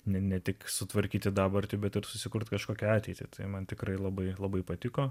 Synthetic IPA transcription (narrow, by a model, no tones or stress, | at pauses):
nʲɛnʲɛt̪ʲɪksʊt̪ʋɐɾʲkʲiːt̪ʲɪd̪ɑːbɐrʲt̪ʲɪbʲɛt̪ɪɾsʊsʲɪkʊɾt̪kɐʃkoːkʲɛɑːt̪ʲɛɪt̪ʲɪt̪ʰɐɪmɐnt̪ʲɪkɾɐɪlˠɐbɐɪlˠɐbɐɪpɐt̪ʲɪkoː